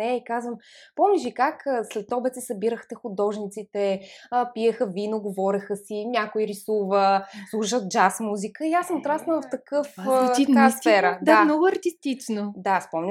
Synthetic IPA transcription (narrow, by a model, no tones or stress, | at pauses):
ɛikazvəmpɔmnʲiʃikakːslɛt̪ɔbɛt̪sisɐbiɾəxt̪ɛxʊd̪ɔʒnit̪sit̪ɛpijəxəvinoɡovɔɾɐxəsinʲakoiɾisuvəslˠuʃət̪̚d͡ʒasmuzikəiasəmʊt̪ɾasnəvɐft̪ɐkɤft̪ɐkasfɛɾəd̪aamnɔɡʊɐɾt̪ist̪it͡ʃnod̪aspɔmlʲ